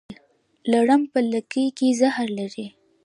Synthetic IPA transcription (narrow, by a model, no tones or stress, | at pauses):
l | laɽəmpələkəjkezahɾlaɾi